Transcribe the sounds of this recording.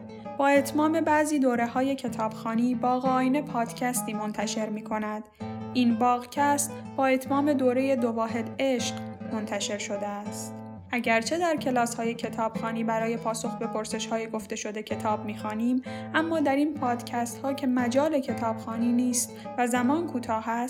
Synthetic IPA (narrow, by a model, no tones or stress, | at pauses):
b̥ɒːe̞t̪ʰmɒːme̞bæʔziːd̪oːɾe̞hɒːje̞cʰe̞t̪ʰɒːb̥xɒːniːbɒːɣeɒːjine̞pʰɒːd̪̥cʰæst̪iːmo̞nt̪ʰæʃe̞ɾmiːkʰo̞næd̪̥ʔinbɒːɣcʰæst̪ | bɒːe̞t̪ʰmɒːme̞d̪oːɾe̞je̞d̪ovɒːɦe̞d̪e̞ʃɢmo̞nt̪ʰæʃe̞ɾʃo̞d̪eæst̪ | ʔæɟæɾt͡ʃʰe̞d̪æɾcʰe̞lɒːshɒːje̞cʰe̞t̪ʰɒːb̥xɒːniːbæɾɒːje̞pʰɒːso̞xbe̞pʰo̞ɾse̞ʃhɒːjeɡo̞ft̪e̞ʃo̞d̪e̞cʰe̞t̪ʰɒːbmiːxɒːniːmʔæmːɒːd̪æɾinpʰɒːd̪̥cʰæst̪hɒːcʰe̞mæd͡ʒɒːle̞cʰe̞t̪ʰɒːb̥xɒːniːniːst̪væzæmɒːnkʰuːt̪ʰɒːɦæs